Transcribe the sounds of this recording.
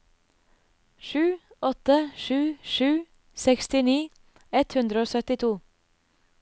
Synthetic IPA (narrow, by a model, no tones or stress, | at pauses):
ʃʉː | ɔt̪əʃʉːʃʉː | sɛkst̪ɪniː | ɛt̪hʉnd̪ɾəoːsœt̪ɪt̪ʰuː